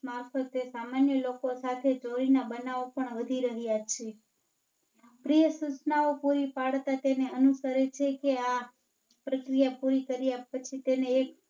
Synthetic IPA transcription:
maɾfət̪esamanjəlokosat̪ʰed͡ʒoɾinabənaopəɳʋəd̪ʱiɾəɦjat͡ʃʰe | pɾijəsut͡ʃnaopuɾipaɽt̪at̪eneənusəɾet͡ʃʰekea | pɾəkɾijapuɾikəɾijapət͡ʃʰit̪eneːk

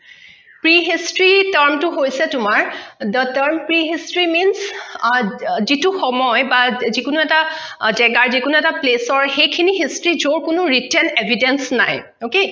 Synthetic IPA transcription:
pɹiɦistɹitəɹmtʊɦojsɛtʊmaɹdətəɹmpɹiɦistɹimins | zituxɔmɔjbazikʊnuɛtazɛɡaɹzikʊnuɛtaplesɔɹxejkʰiniɦistɹizoɹkʊnʊɹitɛnebʱidensna̰j | oke

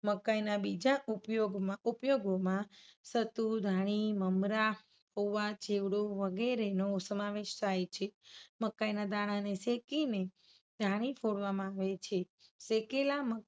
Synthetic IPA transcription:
məkːajnabid͡ʒaʔupjoɡmãupjoɡomãsət̪ud̪ʱaɽ̃iməmɾa | hoʋat͡ʃeʋɽoʋəɡeɾenosəmaʋeʃt̪ʰajt͡ʃʰeməkːajnad̪aɽ̃anesekine | d̪ʱãɽ̃ifʰoɽʋamãaʋet͡ʃʰe | sekelamə

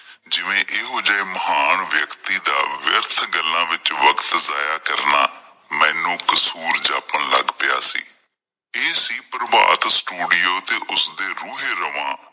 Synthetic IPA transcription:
d͡ʒɪʋẽːʔeːɦoːd͡ʒaːeməɦaːnʋjəkt̪iːd̪aːʋjəɾt̪ʰɡəlːãːʋɪt͡ʃʋəkt̪zaːjaːkəɾna̰ː | mɛ̃ːnũːkəsuːɾd͡ʒaːpənlə̰ɡpɪja̰ːsḭː | eːsiːpɾba̰ːt̪sʈuːɖɪjoːt̪eːʔʊsd̪eːɾuːɦeːɾəʋãː

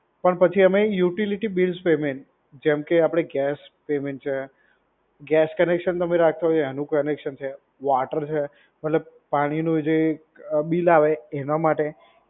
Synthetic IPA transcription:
pəɳpət͡ʃʰiəmejuʈiliʈibilspemeɳʈ | d͡ʒɛmkeapɽ̃eɡɛspemeɳʈt͡ʃʰe | ɡɛskənekʃənt̪əmeɾak̚ʰt̪aɦot͡ʃɛnũkənekʃənt͡ʃʰe | ʋaʈəɾt͡ʃʰe | məʈləb̚paɽ̃inũd͡ʒe | ɓilaʋeːnamaʈe

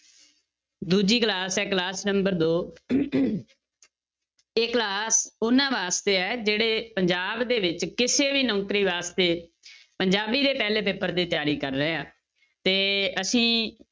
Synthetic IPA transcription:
d̪uːd͡ʒiːklaːsɛːklaːsnəmbəɾd̪oː | ɪklaːsʊnãːʋaːst̪eːɛːd͡ʒeːɽeːpəɲd͡ʒaːbd̪eːʋɪt͡ʃkɪseːʋiːnɔ̃ːkɾiːʋaːst̪eː | pəɲd͡ʒaːbiːd̪eːpɛːleːpeːpəɾd̪iːt̪ɪjaːɾiːkəɾːəeaː | t̪eːəsĩː

